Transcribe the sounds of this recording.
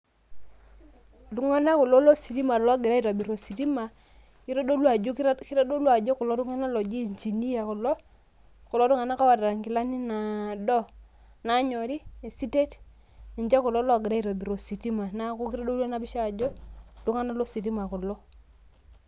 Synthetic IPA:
du˨ŋa˦na˦ku˨lo˦lo˦si˨ti˦ma˨lɔ˦ɡi˨ɾa˦i˨ɾo˨bi˨ɾo˨si˨ti˦ma˨ | i˦ɾo˦do˦lu˦a˨d͡ʒo˦ki˦ɾɔ˦do˦lwa˨d͡ʒo˦ku˨lo˦du˦ŋa˦na˦lo˨d͡ʒi˦˨ɲt͡ʃi˨ni˦ja˨ku˨lɔ˦ | ku˨lo˦tu˦ŋa˨na˦ka˦wa˨da˨a˨ŋki˨la˦ni˦na˨dɔ˦ | na˦ɲo˨ɾi˦e˨si˦te˦t | ni˨ɲd͡ʒa˦ku˨lo˦lɔ˦˨ɡi˨ɾa˦i˨ɾo˨bi˨ɾo˨si˨ti˦ma˨na˦ku˦ki˦ɾo˦do˦la˦na˦bi˦ʃa˦˨d͡ʒo˦du˦ŋa˦na˦lo˦si˨ti˦ma˨ku˨lɔ˦

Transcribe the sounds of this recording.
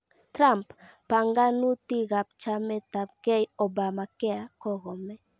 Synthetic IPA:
tɾa˦mpː | a˨ŋɡa˦nu˦ti˦ɣa˨p̚t͡ʃa˦mɛ˦ta˨p̚kɛ˦jɔ˨ba˨ma˨kɛ˦a˨kɔ˦ɣɔ˨mɛ˦

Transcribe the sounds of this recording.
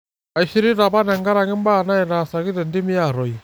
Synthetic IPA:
a˨i˨ʃi˦ɾi˦ɾa˨ba˦na˨ŋɡa˦ɾa˨ŋi˦m˦ba˦˨na˦ɛ˨na˨sa˨ki˦tɛ˨ndi˦mi˦a˨ɾɔ˨i˨

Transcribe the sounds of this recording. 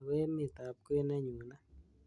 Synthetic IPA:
wɛ˦mɪ˨t̪a˨p̚ke˦na˦ɲu˨na˦

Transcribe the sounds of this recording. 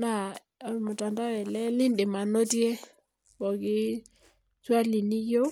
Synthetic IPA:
na˦˨ | ɔ˨mʊ˨ta˨nda˦wɛ˨lɛ˦lɪ˦ndɪ˨ma˨no˦tjɛ˦ | bɔ˨kɪ˦ | swa˦li˨ni˦jo˦

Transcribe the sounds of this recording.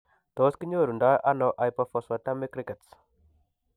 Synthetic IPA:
t̪ɔ˨˦ski˦ɲo˦˨ɾu˨nda˦ʔa˦nɔ˨ʔa˨jpɔfɔ˨swa˨t̪a˦me˦kɾi˦ke˨ts

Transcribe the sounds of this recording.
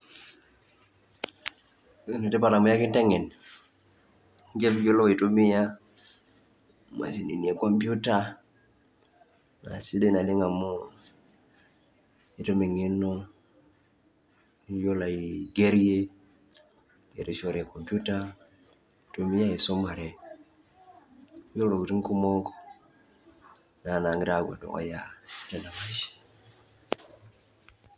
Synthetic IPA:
no˨te˦pa˨ɾa˨mu˨ja˦ki˦nte˦ŋe˨n | ŋɡe˦pɟo˦lo˦wi˨tu˦mi˦ja˦ | ma̰˨si˨ni˨ni˨e˨ko˨mpju˦ta | na̰˨si˦de˦na˨li˦ŋa˨mo˦ | i˦to˦me˨ŋi˦nːo˦ | ni˦jo˦la˨jiɡe˦ɾje˦ | ɡḛ˨ɾi˨ʃo˦ɾe˨ko˨mpu˦ta˦ | to˨mi˦ja˦i˨so˦ma˨ɾe˨˦ | jo˦lo˨ɡu˨ɾi˦ŋku˦mo˦ŋko | na˨na˨ŋi˦ɾa˨ɡa̰˨do̰˨ʔo̰˦ja˨ta˨na˨ma˨ʃi̥

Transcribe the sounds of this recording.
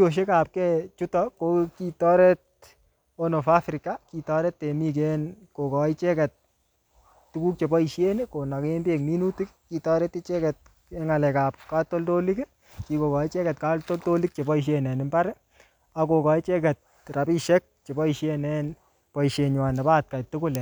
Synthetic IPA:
o˨ʃ̬e˦ka˨p̚kɛt͡ʃu˦tɔ˦ko˦ki˦tɔ˦ɾɛ˦t̚ | o˦no˨fa˦fɾi˨ka˦ki˨tɔ˦ɾɛ˦tːe˨mi˦k̬enko˨kɔ˨i˦t͡ʃɛ˦kɛ˨t̚ | tu˦ku˦k̚t͡ʃe˨bɔ˦i˨ʃe˦neko˨na˨ke˦mbe˨k̚mi˦nu˦ti˦kki˨tɔ˦ɾe˦ti˦t͡ʃe˦kɛ˨t̚ | e˦ŋa˨lɛ˨ka˨p̚ka˦to˦lto˦li˦k | ki˨ko˨kɔ˨i˦t͡ʃe˦kɛ˨tka˦to˦lto˦li˦k̚t͡ʃe˨bɔ˦i˨ʃ̬je˨nɛ˨nɪ˦mba˦ɾ | a˨ko˨kɔ˨i˦t͡ʃe˦kɛ˨t̚ | ra˨pi˦ʃɛ˦k̚t͡ʃe˨bɔ˦i˨ʃje˦nɛ˦n | pɔ˨i˨ʃe˨ɲwa˨ne˨paː˦t̚ka˨tu˦kʊ˦lɛ˨

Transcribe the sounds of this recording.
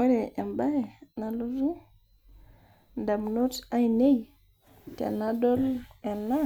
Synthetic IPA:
e˦ɾe˨ʔe˨mba˦jna˨lo˦zu˦ | nda˨mno˦ta˦jne˦j | tḛ˨na˦do˦le˨nːa˦

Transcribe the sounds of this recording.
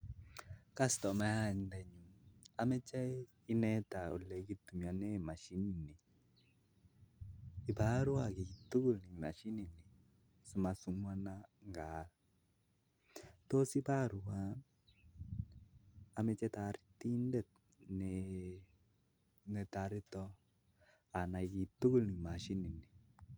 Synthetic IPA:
ka˦stɔ˨ma˦a˦˨ndɛ˨ɲu˨ma˦mɛ˦t͡ʃɛ˦ | i˦nɛ˦ta˨o˨lːɛ˨ki˦t̪ːu˨mja˨nɛ˦ma˨ʃi˦ni˨ni˨ | i˨ba˦ɾu˦a˨ki˨ki˨tːu˦ɡu˦˨lni˨ma˨ʃi˦ni˨ni˨ | su˨ma˨su˦mwa˦na˦ŋɡaː˨˦l | to˦si˦ba˦ɾu˨wa˦n | a˨me˦t͡ʃɛ˦ta˨ɾi˦ti˦ndɛ˦˨t̚ | ne | nɛ˨ta˨ɾi˦tɔ˦ | a˨na˨ki˨tu˦ku˦˨lni˨ma˨ʃi˦ni˨ne˨

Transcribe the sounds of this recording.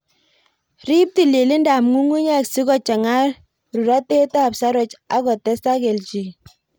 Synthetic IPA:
ri˦p̚ti˨le˨li˦nda˨mŋu˦ŋu˦ɲa˦ksi˦kɔ˨t͡ʃa˨ŋa˦r | ru˨ɾa˦te˦ta˦˨psa˦ɾɔ˦t͡ʃa̰˦kɔ˨tɛ˦sta˦ke˨lt͡ʃi˨

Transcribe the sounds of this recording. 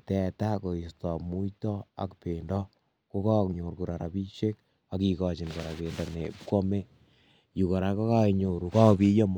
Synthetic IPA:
tɛ˨ta˦ko˨i˨stɔ˨mu˦tɔ˦a̰˨kpendɔ˦ | ko˦ka˦kɲo˨ɾku˨ɾa˨ɾa˨bi˦ʃe˦k̚ | a˨ki˨kɔt͡ʃi˨nko˨ɾa˨ke˨nda˨ne˨pkɔ˦me˦ | ju˨ko˨ɾa˨ko˦ka˦ɲo˨ɾu˨ka˦pi˦jɔ˦m

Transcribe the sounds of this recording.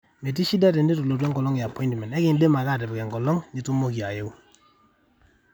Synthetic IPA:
me˨t̬i˦ʃi˦da˦tɛ˨nde˦tu˨lo˨t̬ɛ˦ŋɡɔ˨lɔ˦ŋ˨a˨pʰɔ˦ĩ˦ntmɛ˨nɛ˦kɪ˨nde˦ma˨ka˦˨tɛ˨pkɛ˨ŋɡɔ˨lɔ˦ŋɲɪ˨tu˦mo˦ki˨a˨je˦u˦

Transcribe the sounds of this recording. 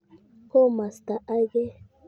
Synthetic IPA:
ko˦ma˨st̪a˨ʔa˦ɡe˦

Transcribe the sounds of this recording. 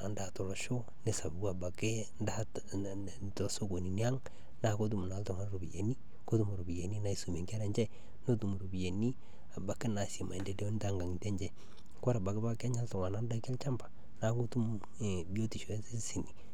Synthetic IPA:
a˨nda˨to˨lɔ˨ʃo˦ | nɪ˦sa˨ba˨ba˨kɪ˦ | nda˦ | to˨so˦ɡo˨ni˨ni˦a˦ŋ | na˨˦ko˦t̬u˦m˨na˨lto˨ŋa˦nɾu˨bi˨jḛ˨ni˦ | ko˦tu˦mu˨ɾu˨bi˨je˨ni˦na˦i˦su˨me˨ŋka˦ɾe˨ɲd͡ʒɛ˦ | no˦tu˨m˨ɾu˨bi˨je˨ni˦ | a˨ba˨kɪ˦na˨si˨ma̰˨i˨nde˦de˦o˦n˦ta˦ŋɡa˨ŋ˨te˦ɲd͡ʒɛ˨ | ko˦ɾa˨ba˨kɪ˦ba˦ka˦ɲa˦ltɔ˨ŋa˨na˦nda˦kɛ˦lt͡ʃa˦mba˨ | na˦ko˦tu˦m˨ | bi˦o˦ti˨ʃo˨˦i˦si˨ni˨

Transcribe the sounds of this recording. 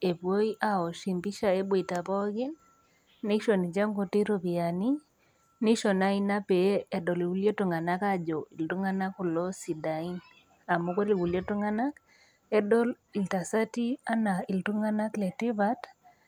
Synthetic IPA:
e˨pwo˦i˦ʔa˨o˨ʃi˨mpi˦ʃa˨e˦bwe˨ta˨pɔ˦ɡɪ˦nː | i˦ʃo˨ni˨t͡ʃe˦ŋɡo˦ti˦ɾo˨bi˨a˨ni˦ | ni˦ʃo˨na˦i˦na˦pe˨˦˨dɔ˨li˨wu˦lje˦tu˨ŋa˨na˦ka˦d͡ʒɔ˨i˨ltu˦ŋa˦na˦ku˨lɔ˦si˨da˨i˦n | a˨mo˦kwe˦ɾi˨wu˨lje˦tu˦ŋa˦na˦k | ɛ˦dɔ˦l | i˨lta˨sa˦ti˦a˦na˨i˨ltu˦ŋa˦na˦klɛ˨ti˦βa˦t

